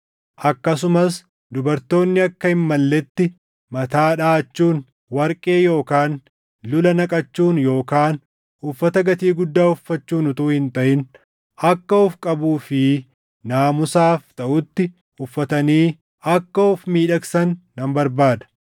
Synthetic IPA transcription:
ʔɐkːɐs̬ʊmɐs | d̪ʊbɐɾt̪o̞ːnːɪɐkːɐɪmːɐlːɛt̪ːɪ | mɐt̪aːᶑaːt͡ʃːuːn | wɐɾkʼe̞ːjo̞ːkaːn | lʊlɐnɐkʼɐt͡ʃːuːnjo̞ːkaːn | ʊfːɐt̪ɐɡɐt̪iːɡʊd̪ːaːʊfːɐt͡ʃːuːnʊt̪uːhɪnt̪ɐʔɪn | ɐkːɐʊfkʼɐbuːfɪ | naːmʊsaːft̪ɐʔʊt̪ːɪ | ʊfːɐt̪ɐniː | ɐkːɐʊfmiːᶑɐksɐnːɐmbɐɾbaːd̪ɐ̥

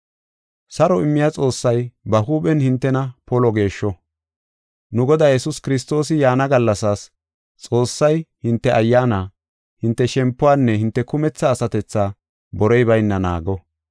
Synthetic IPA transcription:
sɐɾɔɪmːɪjat͡sʼo̞ːsːɐjbɐhuːpɛnhɪnt̪ːɛnɐpɔlɔɡe̞ːʃːɔ | nʊɡɔd̪aːjɛsʊskɪɾɪs̬t̪o̞ːsɪjaːnɐɡɐlːɐsaːs | t͡sʼo̞ːsːɐjhɪnt̪ːɛʔɐjːaːnaː | hɪnt̪ːɛʃɛmpːʊwaːnːɛhɪnt̪ːɛkʊmɛt͡sːaːsɐt̪ɛt͡sːaː | bɔɾɔjbɐjnːɐna̰ːɡɔ

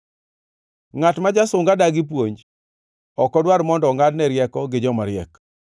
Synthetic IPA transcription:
ŋatmad͡ʒasʊŋɡadaɡɪp̬woɲd͡ʒ | ɔkɔdwaɾmɔndɔŋadnɛɾjɛkɔɡɪd͡ʒɔmaɾjɛk

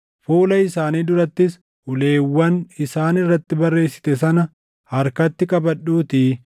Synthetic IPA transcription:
fuːlɐɪsaːniːd̪ʊɾɐt̪ːɪs | ʊle̞ːwːɐnɪsaːnɪrːɐt̪ːɪbɐrːe̞ːsːɪ̥t̪ɛsɐnɐ | hɐɾkɐt̪ːɪkʼɐbɐᶑuːt̪i

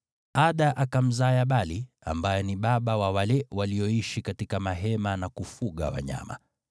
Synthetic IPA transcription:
aɗaʔakam̩zajaɓali | a̰mbajɛniɓaɓawawalɛwaliɔiʃikatikamaɦɛmanakufuɠa̰wa̰ɲa̰ma̰

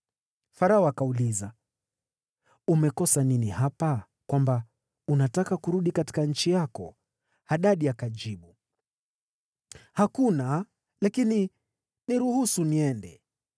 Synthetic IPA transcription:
faɾaɔakauliza | umɛkɔsaninihapa | kwamba | unatakakuɾuɗikati̥kaɲ̩t͡ʃijakɔ̰ | haɗaɗiakaʄd͡ʒiɓu | hakuna | lakini | niɾuhusuniɛndɛ

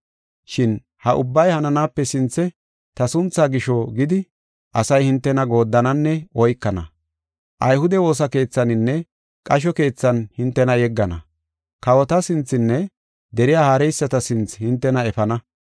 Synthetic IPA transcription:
ʃɪn | hɐʔʊ̰bːɐjhɐnɐnaːpːɛsɪnt͡sːɛ | t̪ɐsʊnt͡sːaːɡɪʃɔɡɪd̪ɪ | ʔɐsɐjhɪnt̪ːɛnɐɡo̞ːd̪ːɐnɐnːɛɔjkːɐnɐ̰ | ʔɐjhʊd̪ɛwo̞ːs̬ɐke̞ːt͡sːɐnɪnːɛ | kʼɐʃ̬ɔke̞ːt͡sːɐnhɪnt̪ːɛnɐjɛɡːɐnɐ̰ | kɐwɔt̪ɐsɪnt͡sːɪnːɛ | d̪ɛɾɪjaːhaːɾɛjsːɐt̪ɐsɪnt͡shɪnt̪ːɛnɐɛfɐnɐ

